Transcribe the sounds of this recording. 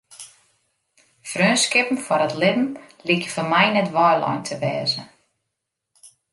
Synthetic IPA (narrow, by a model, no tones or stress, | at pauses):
frøːnskɪpn̩fɔɾətlɪdn̩likəfɔmɛjnɛtʋɔːlɔ̰jntʰəʋɛːzə̰